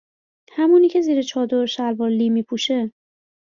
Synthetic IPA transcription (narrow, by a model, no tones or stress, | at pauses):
hæmuːniːcʰe̞ziːɾet͡ʃʰɒːd̪oɾʃælbɒːlːiːmiːpʰuːʃe